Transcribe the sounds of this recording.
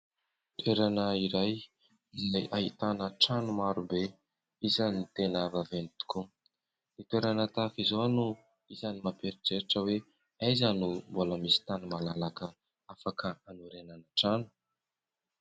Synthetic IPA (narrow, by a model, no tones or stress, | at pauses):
t̪weɾanəiɾaj | izajʔaɦit̪anəʈ͡ʂanumaɾube | izanit̪enavavenit̪u̥ku | nit̪weɾanət̪afizonu | izanimapeɾiʈ͡ʂeɾiʈ͡ʂəwe | ajzanumboləmisi̥t̪anumalalakə | afakʰəanuɾenanaʈ͡ʂanu̥